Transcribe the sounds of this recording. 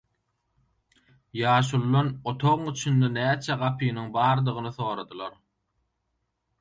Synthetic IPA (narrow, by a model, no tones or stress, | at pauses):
jɑːʃ̬ulˠːonot̪ʰoʁɯŋyt͡ʃʰynd̪enæːt͡ʃʰæʁɑpʰiniŋbɑːɾd̪ɯʁɯnɯθo̞ːɾɑd̪ɯlˠɑɾ